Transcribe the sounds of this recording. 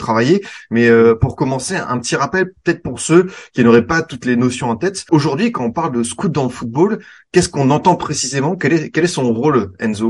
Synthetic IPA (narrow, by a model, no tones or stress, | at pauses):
t̪χavajemɛøpuʁkɔmɑ̃seɛ̰̃pət̪iʁapɛlpø̥t̪ɛt̪χpuʁsøkʲinoʁɛpat̪ut̪lenosjɔ̃ɑ̃t̪ɛt̪oʒuʁd̪ɥikɑ̃ɔ̃paʁld̪əskut̪̚d̪ɑ̃ləfut̪̚bolkʲɛskɔ̃nɑ̃t̪ɑ̃pχesizemɑ̃kɛlɛkʲɛlɛsɔ̃ʁolɛ̰nzo